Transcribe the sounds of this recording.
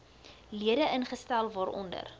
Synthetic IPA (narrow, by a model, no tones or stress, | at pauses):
liədəʔənχəstælˠvɑːɾʔɔ̰ndə̰r